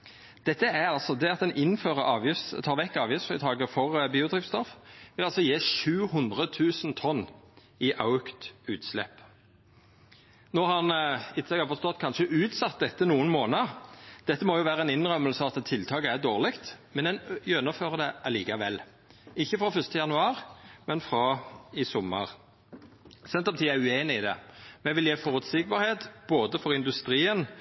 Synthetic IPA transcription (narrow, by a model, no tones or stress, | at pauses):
d̪̥ɛt̪ːəæɾɑlsɔd̪ɛɑt̪ɛnʔɪnføːʁəʔɑːʋjɪst̪ʰɑːʁʋɛkːɑːʋjɪfsʁɪt̪ʰɑːɡəfɔʁbiːʊd̪ʁɪft̪st̪ɔfʋɪlɑlsɔjeːʃʉːhʊnd̪ʁət̪ʰʉːsn̩t̪ʰɔnː | ɪʔɑʉkt̪ʉːt̪slɛ̰pː | noːhɑnɪt̪ːsɛɡɑfɔʁst̪ɔt̪ːkʰɑnʃəʔʉːt̪sɑt̪̚d̪ɛt̪ːənuːənmoːnəd̪̥ɛt̪ːəmɔːjʊʋæːɾʁəɛnɪnʁœmːəlsəɑɑt̪t̪ʰːɪlt̪ʰɑːkəæʁd̪oːʁlɪkt̪mɛnɛnjœnɔføːʁəd̪ɛʔɑliːkɑʋɛlː | ɪçːəfɾɑfœst̪əjɑnʉɑːʁmɛnfɾɑɪsɔməʁ | sɛnt̪ɑp̚t̪ʰiːæɪʉeːnɪɪd̪ɛmɛʋɪljeːfɔʁʉt̪sɪk̚bɑɾheːt̪b̥oːd̪əfɔʁɪnd̪ʉst̪ɾiːən